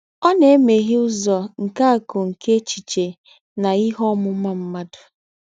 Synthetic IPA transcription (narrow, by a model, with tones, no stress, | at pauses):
ɔ˦ne˨˦me˨ɦɪ˦ʊ˦zɔ˨ŋ̩˨ka˦a˨kʊ˨ŋ̩˨ke˦t͡ʃi˨t͡ʃe˨ | na˨i˦ɦɔ˦mʊ˦ma˦m̩˦ma˦dʊ˨